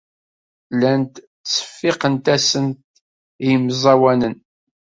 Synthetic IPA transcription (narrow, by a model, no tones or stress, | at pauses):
lænt̪ | t͡sːə̥fːɪqənt̪æsənt̪̚ | jəmzˤɑwænən